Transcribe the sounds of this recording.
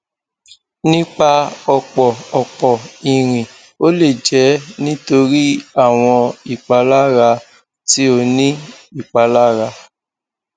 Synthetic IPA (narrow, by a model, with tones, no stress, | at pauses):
nĩ˦k͡pa˧ɔ˧k͡pɔ˨ɔ˨k͡pɔ˨i˨ɾ̃ĩ˨ | o˦le˦˨d͡ʒɛ˨˦nĩ˦to˧ɾi˦a˦˨w̃ɔ̃˧i˦˨k͡pa˧la˦ɾa˧ | ti˦o˧nĩ˦i˦˨k͡pa˧la˦ɾa˧